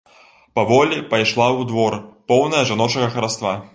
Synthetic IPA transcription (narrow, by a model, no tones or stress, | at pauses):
pavɔlʲipajʂlˠawd̪vɔrpɔwnɐjɐʐanɔt͡ʂɐɣɐxɐɾast̪va